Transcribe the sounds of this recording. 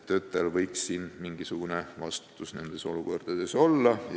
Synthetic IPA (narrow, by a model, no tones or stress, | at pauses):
t̪ø̞ːt̪ːˑelvɤjksːiːnmiŋɡ̥isuɡ̥une̞vɑst̪t̪ˑusne̞̰nd̪̥e̞so̞luko̞rd̪̥ɑd̪e̞so̞llːɑ